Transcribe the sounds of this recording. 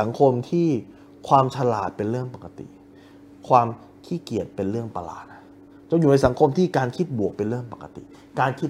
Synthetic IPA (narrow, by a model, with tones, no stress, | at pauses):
a˩˦ŋkʰo˧mt̪ʰiː˥˩ | kʰwaː˧mt͡ɕʰa˧laː˨˩t̪̚pe˧nɾɯ˥˩əŋpa˨˩ka˧t̪ḭ˨˩ | kʰwaː˧m | kʰiː˥˩ki˨˩ət̪̚pe˧nɾɯ˥˩əŋpa˧la̰ː˨˩t̪̚na˦˧˩ | t͡ɕɔ˧˥ŋjuː˨˩na˧jsa˩˦ŋkʰo˧mt̪ʰiː˥˩kaː˧nkʰi˦˥t̪̚bu˨˩ək̚pe˧nɾɯ˥˩əŋpa˨˩ka˨˧t̪ḭ˨˩ | kaː˧nkʰi˦˥